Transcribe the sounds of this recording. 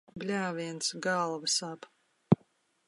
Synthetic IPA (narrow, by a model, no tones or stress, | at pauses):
blʲaːvʲiɛnt̪sɡalˠvasap